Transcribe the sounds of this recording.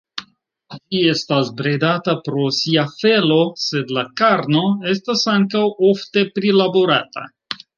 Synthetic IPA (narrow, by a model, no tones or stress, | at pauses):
d͡ʒie̞stasbɾe̞datapɾo̞siafe̞lo̞se̞dlakaɾno̞e̞s̬tasaŋkawo̞fte̞pɾilabo̞ɾata̰